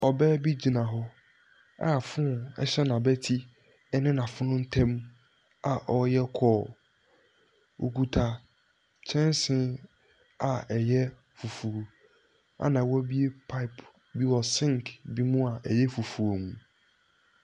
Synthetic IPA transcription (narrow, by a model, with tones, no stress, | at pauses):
ɔ˨bɛ˦bi˦d͡ʑi˨nã˨ɦɔ˦ | a̰˦˨fʊ̃˦˨ɛ̰˦ɕɛ˦nã˨bɛ˦tʰi˦ | ɛ˦nɪ̃˦nã˨fʊ˦nʊ̃˦n̩˦tʰɛ̃˦m | a˨ʔɔ˨jɛ˦kʰɔː˦˨ | o̰˨ku˨tʰa˨ | t͡ɕʰɛ̃˦n˦sɪ̃˦ | a˨ɛ˨jɛ˦ | fu˨fu˨ɾo˨ | a̰˨nã˨wɔ˦bi˦e˦pʰa˦ɪ˨pʰ | bi˦wɔ˨sɪ̃˦ŋkbi˦mũ˦a˨ʔɛ˨jɛ˦fu˨fu˨o˨mũ˨